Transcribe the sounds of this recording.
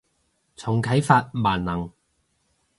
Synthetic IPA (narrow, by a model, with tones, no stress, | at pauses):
t͡sʰʊ˨˩ŋkʰɐ˨˥jfaː˧t̚maː˨˩nnɐ˨˩ŋ